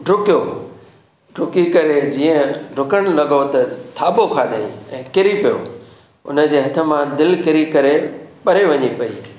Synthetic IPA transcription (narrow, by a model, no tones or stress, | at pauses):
ɖʱʊkijo | ɖʱʊkikɐɾed͡ʑiːə̃ɖʱʊkəɽ̃lɐɡot̪ɐt̪ʰaːbokʰaːd̪ʱaːḭ̃ɛ̃ːkɪɾipijo̰ | ʊ̰nə̆d͡ʑeːɦɐt̪ʰə̆mãd̪ɪlkɪɾikɐɾepɐɾeʋɐɲipɐḭː